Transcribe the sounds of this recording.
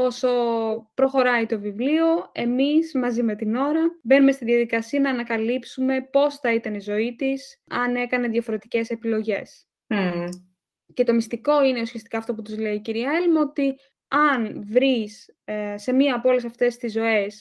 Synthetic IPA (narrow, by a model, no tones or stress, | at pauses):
o̞so̞pɾo̞xo̞ɾɐit̪o̞vivlio̞e̞mizmɐzime̞t̪ino̞ɾɐbe̞numest̪iðjɐðikɐsiɐnɐːnɐkɐlipsume̞po̞sθɐit̪ɐnizo̞it̪isɐne̞kɐne̞ðjɐfo̞ɾe̞t̪ice̞se̞pilo̞ʝe̞s | ce̞t̪o̞mist̪iko̞ine̞usiɐst̪i̥kɐːft̪o̞put̪uzle̞iciɾiɐelmo̞t̪i | ɐnvɾis | se̞miɐːpoo̞le̞sɐft̪e̞st̪izːo̞e̞s